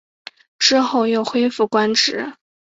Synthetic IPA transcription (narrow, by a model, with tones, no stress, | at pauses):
ʈ͡ʂɻ̩˥xo˥˩ʊjo˥˩ʊxwe˥ɪfu˥˩kwa˥nʈ͡ʂɻ̩˧˥˦